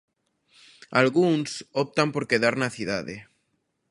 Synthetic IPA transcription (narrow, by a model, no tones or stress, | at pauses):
alɣunsop̚t̪ampo̞ɾkeðaɾnaθiðaðe